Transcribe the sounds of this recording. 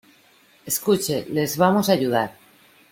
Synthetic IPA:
eskut͡ʃele̞zβamosaʝuð̞aɾ

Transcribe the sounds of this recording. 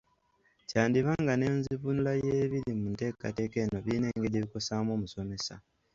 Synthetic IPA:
caːndiβaːŋɡane̞ːnziβunulajeːβiɾimunte̞ːka̰te̞ːke̞ːno̞βiːne̞ːŋɡedeβiko̞saːmo̞ːmuso̞me̞sa̰

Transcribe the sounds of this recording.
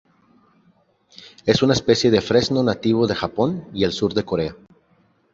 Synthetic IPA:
e̞sunaespe̞sje̞ðe̞fɾe̞zno̞nat̪iβ̞o̞ðe̞xapo̞nie̞lsuɾðe̞ko̞ɾe̞a

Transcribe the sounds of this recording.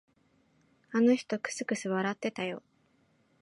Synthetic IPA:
ano̞çi̥t̪o̞kɯ̟̥sɨkɯ̟sɨβaɾat̪ːe̞t̪ajo̞̰

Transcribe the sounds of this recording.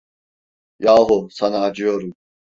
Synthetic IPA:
jaːɦusanaːd͡ʒɯjo̞ɾun

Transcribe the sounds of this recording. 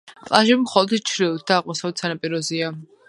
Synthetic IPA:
pʼlˠaʒɛbmχɔlˠɔd̪t͡ʃʰɾilˠt̪̚d̪aːqʼmɔsavɛdt̪sanapʼiɾɔzia

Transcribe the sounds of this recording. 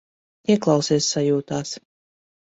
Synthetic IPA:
t̪iɛklˠawsiɛsːajuːt̪aːs

